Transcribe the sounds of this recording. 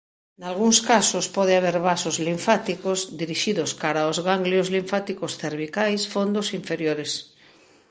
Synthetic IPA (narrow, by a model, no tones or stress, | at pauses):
nalɣuŋskasospɔðeaβ̞eɾβasozliɱfat̪ikozd̪iɾiʃiðoskaɾaozɣaŋɡljozliɱfat̪ikosθeɾβikajsfond̪osiɱfeɾjoɾes